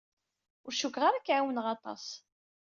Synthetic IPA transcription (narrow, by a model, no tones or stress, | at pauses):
ʊɾʃʊkʁaɾakʕawənʁɑt̪ˤɑ̰s